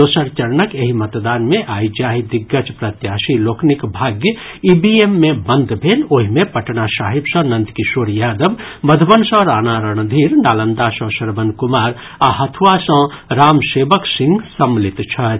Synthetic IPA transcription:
oːsəɾt͡ʃəɾnəkjeɦimɐt̪d̪aːnmẽʔaːid͡ʒaːɦid̪ɪɡːət͡ʃpɾɐt̪jaːsiloːkʰnikbʱaːɡjə | ibiemːẽbə̃nd̪ʱbʱeːloːɦimẽpɐʈnasaːɦibsə̃nə̃nt̪kisoːɾjaːd̪əbməd̪ʱbənsə̃ɾaːnaɾəɳ̃d̪ʱiːɾnaːlənd̪asə̃səɾbənkumaːɾ | aɦɐt̪ʰʋasə̃ | ɾaːmseːbəksɪ̃ŋɡsɐmlɪt̪t͡ʃʰɐ

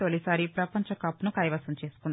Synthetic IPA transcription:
olisaːɾipɾɐpɐɲt͡ʃɐkɐpːunukɐːjʋɐsɐɲt͡ʃe̞ːsu̥kund̪

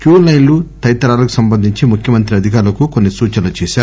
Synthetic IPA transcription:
kjuːlɐjnllut̪ɐjt̪ɐɾaːlɐku̥sɐmbɐnd̪ʱiɲt͡ʃimukʰjɐmɐnt̪ɾiɐd̪ʱikaːɾlɐkukonːisuːt͡ʃɐnɐt͡ʃɛːʃaː

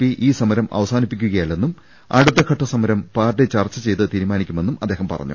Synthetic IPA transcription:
piʔiːsɐmɐɾɐmɐ̰ʋɐsaːnipːikʲːuɣɐjɐlːenːum | ɐ̰ɽut̪ːɐkʰɐʈːɐsɐmɐɾɐmpaːrʈːet͡ɕɐrt͡ɕːɐt͡ɕe̞jt̪ɨt̪iːɾumaːnikʲːume̞nːumɐd̪ːeːhɐmpɐ̰rɐ̰ɲːṵ

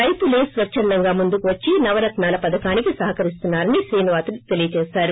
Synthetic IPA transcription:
ɐjpuleːsʋɐt͡ʃːʃɐnd̪ɐŋɡaːmund̪ukuʋɐt͡ʃːinɐʋɐɾɐt̪naːlɐpɐd̪ɐkaːnikisɐɦɐkɐɾis̬t̪unːaːɾɐniʃɾiːnuʋaːt̪uit̪e̞lijɐt͡ʃɛːsaːɾu

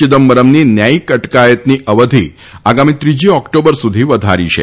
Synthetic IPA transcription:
id̪əmːəɾəmniːnjaikəʈkajət̪niːʔəʋəd̪ʱḭː | aɡamiːt̪ɾid͡ʑiːɔkʈobəɾsud̪ʱiːʋəd̪ʱa̰ɾḭɕḛ

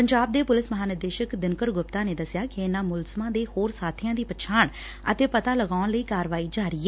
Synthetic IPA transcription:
pəɲd͡ʒaːb̚d̪eːpʊlɪsməɦaːnɪɾd̪eːʃəkd̪ɪnkəɾɡʊpt̪aːneːd̪əsɪjaːkɪɪnːãːmʊlzəmãːd̪eːhoːɾsaːt̪ʰɪjãːd̪iːpət͡ʃʰaːɳ | ət̪eːpət̪aːləɡaːʊnləiːkaːɾʋaːiːd͡ʒaːɾɪːɛː

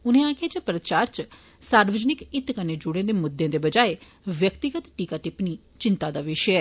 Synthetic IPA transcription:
ʊnẽːaːkʰeːt͡ʃəpɾət͡ʃaːɾt͡ʃ | saːɾʋəd͡ʒnɪkɪt̪kəneːd͡ʒʊɽẽːd̪eːmʊd̪ːẽːd̪eːbəd͡ʒaːe | ʋjəkt̪ɪɡət̪ʈiːkaːʈɪpniː | t͡ʃɪnt̪aːd̪aːʋɪʃəɛː

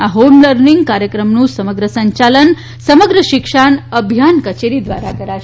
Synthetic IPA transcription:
aɦomləɾniŋɡkaɾjəkɾəmnũsəməɡɾəsə̃ɲt͡ʃalən | səməɡɾəʃikʂaɳəbʱjankət͡ʃeɾid̪ʋa̰ɾa̰ɡəɾa

